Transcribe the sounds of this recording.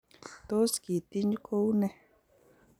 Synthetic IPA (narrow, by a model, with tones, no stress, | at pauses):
t̪o˦ski˨t̪i˦ɲ˦kʰo˦wnẽ˦